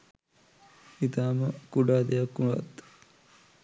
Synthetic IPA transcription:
it̪aːməkuɖaːd̪ejakːunʋa̰t̪

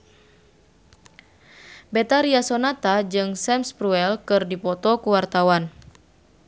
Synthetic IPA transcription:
bɛt̪aɾiasɔnat̪ad͡ʒɨŋsɛmspɾuɛlkɨrdipɔt̪ɔkuwart̪awan

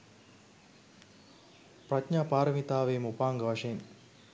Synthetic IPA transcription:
pratɲaːpaːɾəmit̪aːʋejmupaːŋɡəʋɐʂɐjin

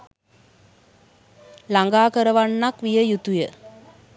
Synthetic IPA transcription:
laŋɡaːkəɾəʋanːakʋijəjut̪ujə

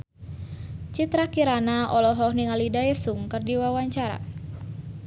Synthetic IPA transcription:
t͡ʃit̪ɾakiɾanaʔɔlɔɦɔhniŋalidaesuŋkɨrdiwawaɲt͡ʃaɾa̰

